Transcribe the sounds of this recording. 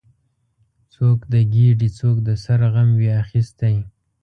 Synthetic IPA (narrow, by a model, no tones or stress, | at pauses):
t͡sokd̪əɡiɖit͡sokd̪əsaɾɣamweaxist̪aj